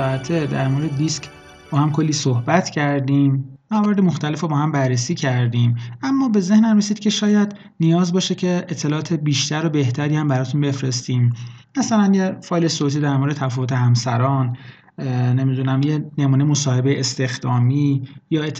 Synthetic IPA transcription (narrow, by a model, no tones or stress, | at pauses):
æt̪ʰed̪æɾmoɾed̪ed̪iːsk | b̥ɒːhæmkʰo̞lːiːsohbæt̪ʰcʰæɾd̪iːmmævɒːɾed̪emo̞xt̪ʰæle̞fobɒːhæmbærːesiːcʰæɾd̪iːmæmːɒːbe̞ze̞hnæmresiːd̪̥kcʰe̞ʃɒːjæd̪ | nijɒːzbɒːʃecʰe̞et̪ʰːelɒʔːt̪ʰe̞biːʃt̪æɾobe̞ht̪ʰæɾiːhæmbæɾɒːt̪ʰunbe̞fɾe̞st̪iːmmæsælænjefɒːjlesot̪ʰiːd̪æɾmoɾed̪et̪ʰæfɔːvot̪ʰe̞hæmsæ̰ɾɒːn | ne̞mid̪uːnæmjene̞muːnejemosɒːhe̞be̞jeʔest̪e̞xd̪̥ɒːmiːjɒːet̪ʰː